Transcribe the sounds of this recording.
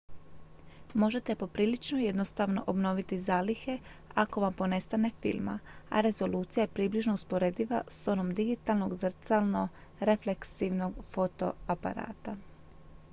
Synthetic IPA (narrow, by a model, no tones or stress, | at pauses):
mo̞ʒe̞t̪e̞po̞pɾiːlit͡ʃnoje̞d̪nost̪aʋno̞ʔobno̞ʋit̪izaːlixe̞ | ako̞ʋampo̞ne̞st̪ane̞fḭlˠma̰a̰ɾe̞zo̞luːt̪sijaje̞pɾiːbliʒno̞uspo̞ɾe̞d̪iʋaso̞no̞md̪iɡit̪alˠno̞ɡzr̩t̪salˠno̞ɾefle̞ksiʋno̞ɡfo̞t̪o̞̰apa̰ɾa̰ːt̪a